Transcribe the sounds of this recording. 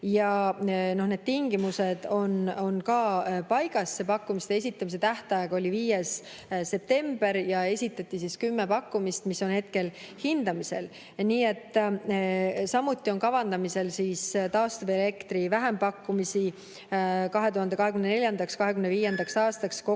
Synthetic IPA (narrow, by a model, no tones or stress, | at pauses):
jɑno̞hne̞d̪̥t̪iŋɡ̥imuse̞d̪̥o̞no̞nkɑːpɑjɡ̥ɑsːepɑkːumist̪ee̞sit̪ːˑɑmis̬et̪æht̪ɑjɑɡ̥o̞lʲiviːjes | se̞p̚t̪e̞mb̥e̞ɾjɑe̞sʲit̪ːˑɑt̪ˑːisiskymːe̞pɑkːumist̪miso̞nhe̞t̪̚ke̞l | hind̪̥ɑmise̞̰l | niːe̞t̪ːˑ | sɑmːut̪ˑːio̞nkɑvɑnd̪ɑmise̞lsiːst̪ɑːst̪ɑvele̞kt̪ɾivæɦempɑkːumisi | kɑɦet̪uhɑnd̪ɑɦe̞kymneelʲjɑnd̪ɑkskɑɦe̞kymneviːje̞nd̪ɑksɑːst̪ɑksko